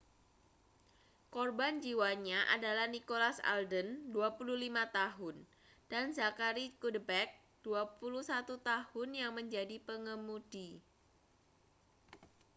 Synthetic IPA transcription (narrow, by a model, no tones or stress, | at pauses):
kɔrband͡ʒiwaɲaʔa̰dalahnikolasa̰ldənduapululimat̪aɦʊn | d̥anzakaɾikudəbɛk̚ | d̥uapuluhsat̪ut̪ahʊnjaŋməɲd͡ʒadipəŋəmud̥i